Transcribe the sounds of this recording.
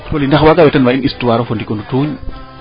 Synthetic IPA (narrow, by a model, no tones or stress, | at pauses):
tɔlinaxwaɡawɛtanwainistuwaɾɔfɔndikɔndutuːɲ